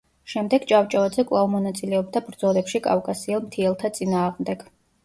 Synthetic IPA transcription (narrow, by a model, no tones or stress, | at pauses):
ʃɛmd̪ɛɡt͡ʃʼavt͡ʃʼaad̪zɛkʼvlˠavmɔnat̪sʼilɛɔb̚d̪abɾd̪zɔlɛpʃikʼa̰vkʼasiɛlˠmt̪ʰiɛlˠt̪ʰat̪sʼinaːʁmd̪ɛɡ̥